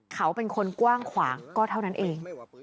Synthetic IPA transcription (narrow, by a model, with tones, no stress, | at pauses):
kʰa˦˥wpe˧nkʰo˧nkwaː˥˩ŋkʰwaː˩˦ŋkɔː˥˩t̪ʰa˥˩na˦˥nʔeː˧ŋ